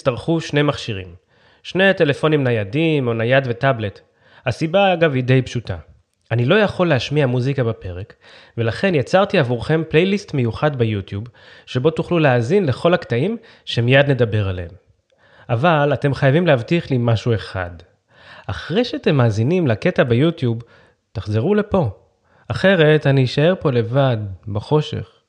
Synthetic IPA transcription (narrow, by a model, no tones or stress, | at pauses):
ist̪aʁχuʃne̞jmaχʃiʁim | ʃne̞jte̞le̞fo̞nimnajadimonajadve̞table̞t | hasibaːɡavide̞jpʃutʰa̰ | anilo̞jaχo̞lːeaʃmiamuzikabape̞ʁe̞k | ve̞laχe̞njat͡saʁt̪iavuʁχe̞mple̞jlistme̞juχadbejutjubʃe̞bo̞tuχluleaːzinle̞χo̞laktaim | ʃemijadne̞dabe̞ʁaleem | ʔavalate̞mχajavimleavtiχlimaʃue̞χa̰d | ʔaχʁe̞jʃeat̪e̞mːaːzinimlake̞tabejutjub | taχze̞ʁule̞po̞ | aχe̞ʁe̞taniːʃae̞ʁpo̞le̞vadbaχo̞ʃḛχ